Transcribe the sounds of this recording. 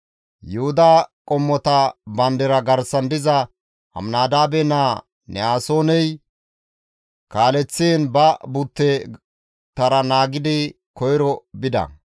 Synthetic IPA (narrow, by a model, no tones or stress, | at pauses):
jʊhʊd̪aːkʼɔmːɔt̪ɐbɐnd̪ɪɾɐɡɐɾsɐnd̪ɪzɐ | hɐ̰mnaːd̪aːbɛna | nɛaːsoːnɛj | kaːlɛt͡sːeːnbɐbʊt̪ːɛ | t̪ɐɾɐnaːɡɪd̪ɪ | kɔjɾɔbɪd̪ɐ̰